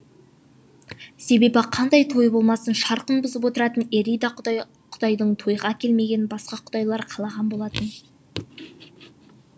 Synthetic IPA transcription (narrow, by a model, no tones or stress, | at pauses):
se̞be̞bɪqʰɑnd̪ɑjt̪ʰo̞jbo̞lˠmɑsənʃɑɾqənbʊzəp̬wo̞t̪əɾɑt̪əne̞ɾijd̪ɑ | qʰʊ̥d̪ɑjd̪əɴt̪ʰo̞jʁɑkʲʰe̞lme̞ɡʲe̞nbɑsqɑqʰʊ̥d̪ɑjlˠɑɾqʰɑlˠɑʁɑnbo̞lˠɑt̪ən